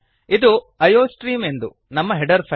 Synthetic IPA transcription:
id̪u | ɐjoːsʈɾiːme̞nd̪u | nɐmːɐɦɛɖɐɾpʰɐ

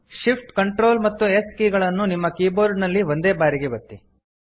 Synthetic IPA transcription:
ʃipʰʈkɐɳʈɾo̞ːlmɐt̪ːueskiːɡɐɭɐnːunimːɐkiːboːɾɖnɐlːiʋond̪e̞ːbaːɾiɡebɐt̪ːi

